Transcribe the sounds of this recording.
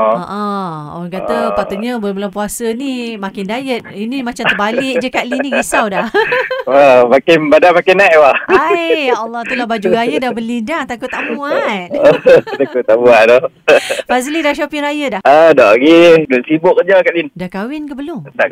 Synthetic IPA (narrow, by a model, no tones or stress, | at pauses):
ʔɔ̃ɔ̰aŋkat̪əpat̪uʔɲəbulabəlampuasənimakɪndajət̪̚inimat͡ʃaməbalɪk̚d͡ʒəkaʔliniɡisawdahəmakɪnbadamakɪnːaʔwaajalːɔt̪ulabad͡ʒuɾajədabəlidaŋt̪akut̪aʔbuuat̪̚t̪akut̪aʔbuaʔdɔ | azlidaʃapɪŋɾajədahədɔɡisibʊʔkəd͡ʒakaʔlindakawɪnkəbəlʊmt̪aʔ